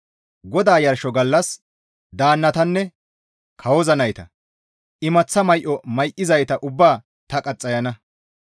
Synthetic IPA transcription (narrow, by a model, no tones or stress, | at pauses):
ɡɔd̪aːjɐɾʃɔɡɐlːɐs | d̪aːnːɐt̪ɐnːɛ | kʰɐwɔzɐnɐjt̪ɐ | ʔɪmɐt͡sːɐmɐjʔɔmɐjʔɪzɐjt̪ɐʔʊbːaː | t̪ɐkʼɐt͡sʼːɐjɐnɐ